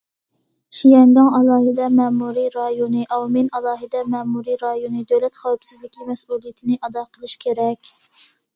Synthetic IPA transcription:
ʃijɛŋɡ̪ɑŋɑlˠɑːɦɪd̪ɛmɛmuɾiɾɑjonɨʔɑwminɑlˠɑːɦɨd̪ɛmɛmuɾiɾɑjonɨd̪øwlɛt̪χɑwpsɪzlɪkʲʰimɛsulˠijɪt̪ʰɪnɪʔɑd̪ɑːqʰəlˠɨʃkʲʰeɾɛkʲ

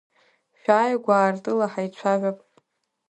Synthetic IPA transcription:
ʃᶣaːjɡʷaːrtʼɨlaħajt͡ɕʷʰaʕʷᶣapʼ

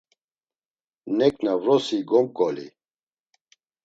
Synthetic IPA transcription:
nɛknavɾɔsiɡɔmkʼɔlḭ

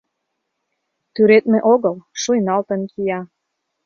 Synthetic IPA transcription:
t̪yɾet̪mĕʔoɣɤlʃujnɑlt̪ɤ̆nkʰijɑ

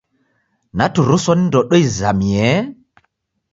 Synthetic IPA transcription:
natuɾusɔnndɔɗɔizamiɛ

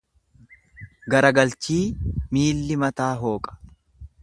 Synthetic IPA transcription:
ɡɐɾɐɡɐlt͡ʃiːmiːlːɪmɐt̪aːɦo̞ːkʼɐ̥

